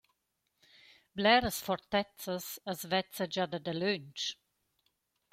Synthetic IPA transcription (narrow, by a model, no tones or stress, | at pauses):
blɛɾəsfɔɾt̪ɛt͡səsəsvɛt͡səd͡ʒad̪əd̪əløɲt͡ʃ